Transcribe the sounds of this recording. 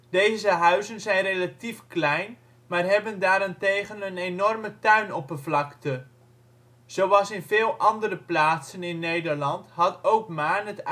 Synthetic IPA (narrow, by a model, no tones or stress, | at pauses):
d̥ejzəɦœɥzənzɛjnrejlatifklɛjn | maːrɦɛbəndaːɾantejχənənenɔrmətœɥnɔpəvlɑktə | z̥owʋɑlˠsɪnvɪːlˠʔɑndərəplaːtsənɪnːejdəɹlɑntɦɑtowkmaːrnət